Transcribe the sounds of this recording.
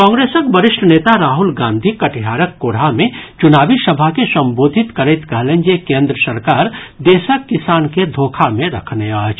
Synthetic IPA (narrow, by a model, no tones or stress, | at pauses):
kɔ̃ːŋɡɾeːsəkbəɾɪʃʈʰəneːt̪aɾaːɦʊlɡãːnd̪ʱikɐʈʰiɦaːɾəkːoːɽ̤amẽt͡ʃʊnaːbisɐbʱakesɐ̃mboːd̪ʱɪt̪kɐɾɛt̪kɐɦlẽnd͡ʒekẽːnd̪ɾəsɐɾkaːɾd̪eːsəkːɪsaːnked̪ʱoːkʰamẽɾɐkʰneat͡ʃ